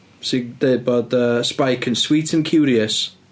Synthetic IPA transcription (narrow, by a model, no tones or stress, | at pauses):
sɪɡdeːbɔd̪əspajkʰə̃nswiːtʰə̃nkʰjuːɾiəs